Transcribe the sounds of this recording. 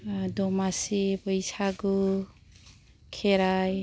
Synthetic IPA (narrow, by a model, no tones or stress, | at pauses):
dɔmasipəjsaɡu | kʰeɾaj